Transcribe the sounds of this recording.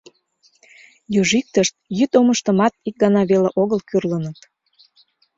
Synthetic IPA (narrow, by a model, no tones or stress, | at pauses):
jyʒik̚t̪əʃt̪̚jyt̪oməʃt̪əmɑt̪̚ik̚ɡɑnɑβeleʔoɣəlkyrlənət̪